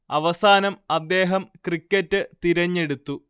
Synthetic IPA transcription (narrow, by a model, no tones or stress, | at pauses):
ɐʋɐsaːnɐmɐd̪ːe̞ːɦɐmkrikʲːɐtːɨt̪iɾɐɲːe̞ɽut̪ːu